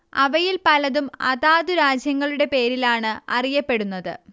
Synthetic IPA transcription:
ɐʋɐjilpɐlɐðumɐ̰ðaːðuɾaːd͡ʑjɐŋːɐɭuɽe̞pe̞ːɾilaːɳɨɐ̰rijɐpːe̞ɽunːɐðɨ̰

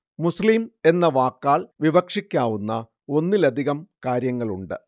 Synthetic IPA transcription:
muslime̞nːɐʋaːkːaːɭʋiʋɐkʂikʲːaːʋunːɐ | o̞nːilɐd̪ʱiɣɐmkaːɾjɐŋːɐɭuɳɖɨ̰

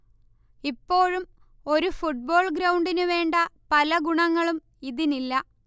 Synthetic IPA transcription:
ipːo̞ːɻum | o̞ɾufuʈ̚bo̞ːɭɡɾɐwɳɖinɨʋe̞ːɳɖɐpɐlɐɡuɳɐŋːɐɭum | iðinilːɐ

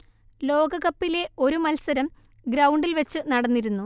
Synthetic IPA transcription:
lo̞ːɡɐɣɐpːile̞o̞ɾumɐlsɐɾɐm | ɡɾɐwɳɖilʋɐt͡ɕːɨnɐɽɐnːiɾunːu

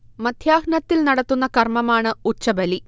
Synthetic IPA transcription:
mɐd̪ʱjaːɡnɐt̪ːilnɐɽɐt̪ːunːɐkɐrmɐmaːɳɨut͡ɕːɐbɐli

